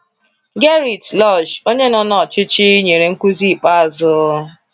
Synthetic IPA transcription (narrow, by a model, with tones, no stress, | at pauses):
ɡe˦ɾi˨tlɔ˦˨ʃo˦ɲe˦nɔ˦nɔ˦˨t͡ʃɪ˦t͡ʃɪ˦ɲe˨ɾe˨ŋ̩˦ku˦zi˦˨pa˦a˨zʊ˦